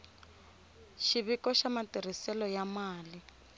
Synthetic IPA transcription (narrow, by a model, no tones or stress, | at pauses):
ʃiβikɔʃamatir̤isɛlɔjamaːli